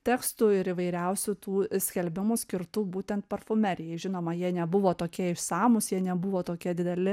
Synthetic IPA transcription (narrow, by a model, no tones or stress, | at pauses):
t̪ʲɛːkst̪ʊɪɾɪʋɐɪɾʲɛʊsʲʊt̪uːsʲkʲɛlʲbʲɪmʊsʲkʲɪɾt̪ubuːt̪ʲɛnt̪pɐrfʊmʲɛɾʲɪjɛɪʒʲɪnoːmɐjiɛnʲɛbʊʋoːt̪oːkʲiɛɪʃsɑːmʊsjiɛnʲɛbʊʋoːt̪oːkʲiɛd̪ʲɪd̪ʲɛlʲɪ